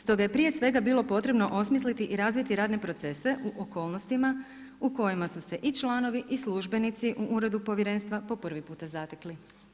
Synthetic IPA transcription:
st̪o̞ɡaje̞pɾije̞sʋe̞ɡabiːlˠo̞po̞t̪ɾe̞bno̞ʔo̞smis̬lit̪iʔiɾaːzʋit̪iɾaːd̪nepɾo̞t̪se̞se̞ʔuʔoko̞ːlˠno̞st̪ima | uko̞jimasuse̞ʔit͡ʃlaːno̞ʋiʔisluʒbe̞nit̪siʔuʔuɾe̞d̪upo̞ʋjeɾe̞ːnst̪ʋapo̞pr̩ʋipuːt̪azat̪ekli

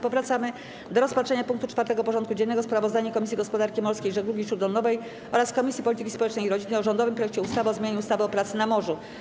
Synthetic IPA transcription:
pɔvɾat̪samɘ | d̪ɔɾɔspat̪ʂɛɲapuŋk̚t̪ut͡ʂfaɾt̪ɛɡɔpɔʐɔnt̪̚kud͡ʑɛnːɛɡɔspɾavɔzd̪aɲɛkɔmʲis̬ʲjiɡɔspɔd̪aɾkʲimɔɾskʲejʐɛɡluɡʲiʂuɾd̪ɔlnɔvɛj | ʔɔɾaskɔmʲisʲjipɔlʲit̪ɘkʲispɔwɛt͡ʂnɛjiɾɔd͡ʑinːɛjɔʐɔnd̪ɔvɘmpɾɔjɛk̚t͡ɕɛust̪avɔzmʲeɲeɲuust̪avɘɔpɾat̪sɘnamɔʐu

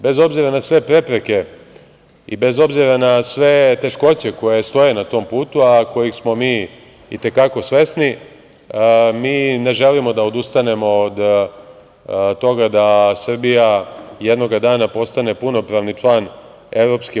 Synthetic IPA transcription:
be̞zo̞bziɾanasʋe̞pɾe̞pɾe̞ke̞ | ḭbe̞zo̞bziɾanasʋe̞t̪e̞ʃko̞t͡ɕe̞ko̞jest̪o̞je̞nat̪o̞ːmpuːt̪uako̞jixsmo̞miː | it̪e̞kako̞sʋe̞sni | miːne̞ʒe̞limo̞d̪aod̪ust̪ane̞mo̞ːd̪ | t̪o̞ɡad̪asr̩bijajed̪noɡad̪aːnapo̞st̪ane̞puno̞pɾaʋnit͡ʃlˠaːn | e̞ʋɾo̞pski

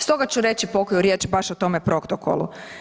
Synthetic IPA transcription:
st̪o̞ɡat͡ɕuɾe̞t͡ɕipo̞kojuɾjeːt͡ʃbaʃot̪o̞mepɾo̞kt̪oko̰lˠṵ

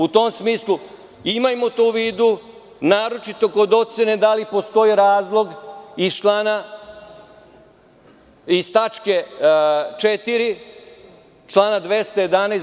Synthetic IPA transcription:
ut̪o̞msmiːslˠu | imajmot̪uʋiːd̪u | naːɾo̞t͡ʃit̪o̞kod̪o̞t̪sened̪alipo̞st̪o̞iɾaːzlˠo̞ɡizt͡ʃlaːna | ist̪at͡ʃke̞ | t͡ʃet̪iɾi | t͡ʃlˠaːnad̪ʋe̞st̪oje̞d̪aneːs

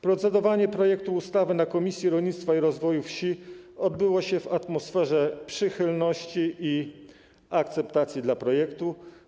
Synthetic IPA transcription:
pɾɔt̪sɛd̪ɔvaɲɛpɾɔjɛk̚t̪uːst̪avɘnakɔmʲisʲjiɾɔlɲit̪st̪faiɾɔzvɔjufɕiɔd̪bɘwɔɕɛvat̪mɔsfɛʐɛpʂɘxɘlnɔɕt͡ɕiʔi | ak̚t̪sɛpt̪at̪sʲjid̪lapɾɔjɛkt̪u

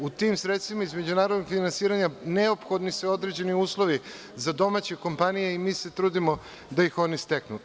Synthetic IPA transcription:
ut̪imsɾet̪st̪ʋimaizme̞d͡ʑunaːɾod̪noɡfinansiːɾaɲaneopxo̞d̪niseo̞d̪ɾe̞d͡ʑe̞niuːslˠo̞ʋi | zad̪o̞mat͡ɕe̞ko̞mpanije̞imiːse̞t̪ɾuːd̪imo | d̪ajixo̞nist̪eknṵ

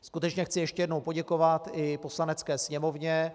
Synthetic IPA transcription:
skut̪ɛt͡ʃɲɛxt͡sɪjɛʃcɛjɛdnowpo̞ɟɛko̞vat̪ɪpo̞slanɛt͡skɛːsɲɛmo̞vɲɛ

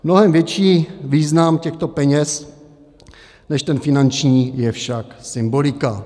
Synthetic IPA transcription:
mno̞ɦɛmvjɛt͡ʃiːviːznamcɛxt̪o̞pɛɲɛs | nɛʃt̪ɛnfɪnant͡ʃɲiːjɛfʃaksɪmbolɪka

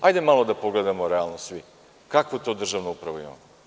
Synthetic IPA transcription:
ajd̪emalod̪apoɡled̪amoɾealˠnosʋi | kakot̪o̞ːd̪r̩ʒaʋnoupɾaʋujo̰n

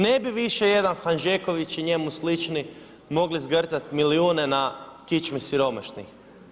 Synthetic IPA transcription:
ne̞biʋiʃe̞je̞d̪anxanʒeko̞ʋit͡ʃiɲe̞muslit͡ʃni | mo̞ɡlizɡrzat̪miliuːne̞nakit͡ʃmisiɾo̞ma̰ʃnḭx

